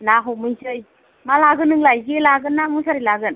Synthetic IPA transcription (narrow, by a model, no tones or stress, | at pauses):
naɦɔmɯjsɯj | malaɡɯnɯŋlajɡelaɡɯnːamusʰaɾilaɡɯn